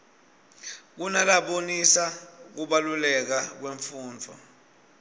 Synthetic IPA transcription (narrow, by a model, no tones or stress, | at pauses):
k̬unalaɓonisak̬uɓalulɛk̬ak̬weɱfuːnd͡vʱɔ̰